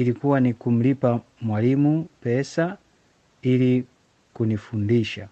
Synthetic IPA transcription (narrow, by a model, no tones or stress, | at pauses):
ilikuwanikum̩lipa | mwalimupɛsa | ili | kunifundiʃa